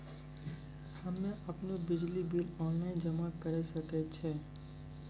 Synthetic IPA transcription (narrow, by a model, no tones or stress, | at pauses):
hɐmːẽʔɐpnobɪd͡ʒlibiːlɔːnlaːɪnd͡ʒɐmakɐɾesɐket͡ʃʰɛː